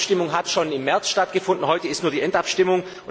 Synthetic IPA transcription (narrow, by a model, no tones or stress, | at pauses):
ʃtɪmʊŋɦatʃoːnɪmːɛɐt͡sʃtatɡ̥əfʊndn̩ɦɔʏtəɪstnuːɐdiːʔɛntapʃtɪmʊŋ | ʊ